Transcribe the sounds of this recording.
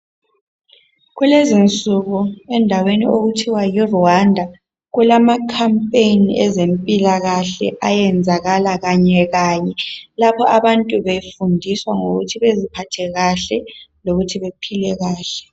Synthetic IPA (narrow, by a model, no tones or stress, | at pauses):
ɣulezint͡sʼuɣuɛndʱawenḭoɣutʰiwajiruwandʱa | ɣulamakʰampʼejniʔɛzempʼilaɣaɬɛ̰ʔajɛnd͡zʱaɣalaɣaɲɛɣaːɲɛlapʰɔʔaβantʼuβefundʱiswaŋoɣṵtʰiβezipʰatʰɛɣaɬɛloɣutʰiβepʰilɛɣaːɬɛ̥